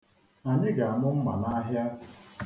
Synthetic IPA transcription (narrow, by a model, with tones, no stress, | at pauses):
a˨ɲɪ˦ɡa˨a˨mʊ˦m̩˦ma˨na˦ɦja˦